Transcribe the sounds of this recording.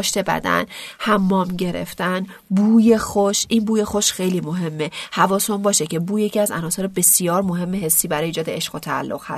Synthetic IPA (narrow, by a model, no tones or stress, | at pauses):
ʃt̪ʰe̞bæ̰d̪æ̰nhæmːɒːmɟe̞ɾḛft̪ænbuːje̞xoʃʔinbuːje̞xo̞ʃxejliːmoɦe̞mːehævɒːsombɒːʃecʰe̞buːje̞cʰiæzæ̰nɒːseɾbe̞sijɒːɾmo̞ɦe̞mːeɦe̞sːiːbæɾɒːjeiːd͡ʒɒːd̪eeʃʁ̥ot̪ʰæ̰ːlːoɣ̥hæ̰s